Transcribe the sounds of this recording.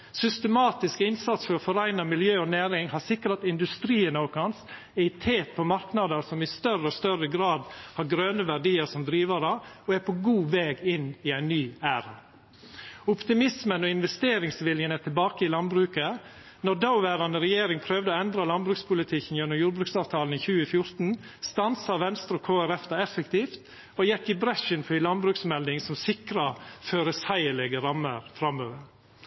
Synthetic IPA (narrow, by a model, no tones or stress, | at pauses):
sʏst̪əmɑːt̪ɪskəɪnsɑt̪sfɔɾɔfɔɾæɪnɑmɪljøːɔnæːɾɪŋhɑɾsɪkɾɑt̪ɪnd̪ʉst̪ɾiːənokɑns | ɛɪt̪ʰeːt̪̚pʰɔmɑɾknɑd̪əɾsɔmɪst̪œrəɔst̪œɾəɡɾɑːd̪hɑɾɡɾøːnəʋæɖiːəɾʂɔmd̪ɾiːʋɑɾəɔæɾpʰɔɡuːʋeːɡɪnɪæɪnːyːæːɾɑ | ʊpt̪ɪmɪsmənɔɪnʋɛst̪eːɾɪŋsʋɪljənɛt̪ʰɪlbɑːkəɪlɑnbɾʉːkə | nɔd̪ɑʊʋæːɾɑnəɾɛjeːɾɪŋpʰɾøːʋd̪əoːɛnd̪ɾɑlɑnbɾʉːkspʰʊlɪt̪ʰɪkən̩jɛnːʊmjuːɾbɾʉːksɑːʋt̪ʰɑːln̩içʉːəfjʊɾt̪n̩ | st̪ɑnsɑʋɛnst̪ɾɔkʰoːæɾɛfd̪ɑɛfəkt̪iːft̪ | ɔjɛkːɪbɾɛʃɪnfʰɪlɑnbɾʉːksmɛld̪ɪŋsɔmsɪkɾɑføːɾəsæɪəlɛɡəɾɑmːəɾfɾɑmːøːʋəɾ